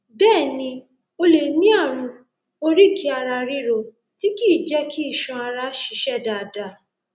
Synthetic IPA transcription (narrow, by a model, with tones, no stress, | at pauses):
bɛː˦˨nĩ˧ | o˧le˨nĩ˦a˦˨ɾ̃ũ˧ | o˧ɾi˦˨kʰi˦a˧ɾa˧ɾi˧ɾo˨ | ti˦ki˦˨d͡ʒɛ˦kʰi˦i˦˨ʃɔ̃˧˦a˧ɾa˧˦ʃi˧˦ʃɛ˦˨da˨da˧˨